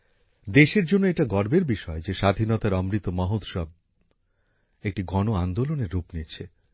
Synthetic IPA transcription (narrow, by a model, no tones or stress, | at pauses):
d̪eʃeɾd͡ʑonːoeʈaɡɔɾbeɾbiʃɔed͡ʑeʃad̪ʱinɔt̪aɾɔmɾit̪omɔɦot̪ʃɔb̚ | ek̚ʈiɡɔnoand̪oloneɾːupnit͡ɕʰe